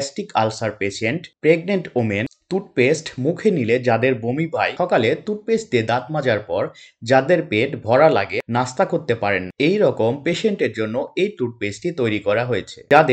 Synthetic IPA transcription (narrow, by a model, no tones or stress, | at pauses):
sʈikalsaɾpeʃeɳʈpɾeɡneɳʈoment̪uʈpesʈmukʰeniled͡ʑad̪eɾbomibʱajʃɔkalet̪uʈ̚pesʈt̪ed̪at̪mad͡ʑaɾpɔɾd͡ʑad̪eɾpeʈbʱɔɾalaɡenast̪akoɾt̪epaɾenejɾɔkompeʃeɳʈeɾd͡ʑonːoejt̪uʈ̚pesʈit̪ojɾikɔɾaɦojet͡ɕʰe̥̰d͡ʑad̪e